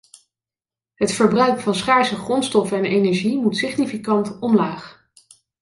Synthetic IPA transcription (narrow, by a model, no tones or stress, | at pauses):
ɦətfəɹbrœɥkfɑnsχaːɹsəχrɔnstɔfɛnejnɛɹʒimutsɪχnifikɑntɔmlaːχ